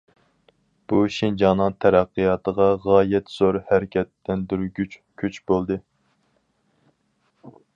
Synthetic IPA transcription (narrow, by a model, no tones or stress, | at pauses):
b̥uʃind͡ʒɑnɨŋt̪ʰæɾæqːijɑːt̪ʰəʁɑʁɑːjɛt̪z̥oɾhæɾɪkʲʰɛt̪ːɛnd̪yɾɡʲyt͡ʃkʲʰyt͡ʃbolˠd̪ɨ